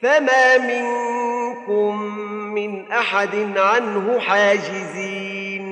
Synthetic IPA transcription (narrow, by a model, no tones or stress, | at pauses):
famaːmɪŋkʊmː | ɪnʔaħad̪ɪnʕanhʊħaːd͡ʒɪziː | n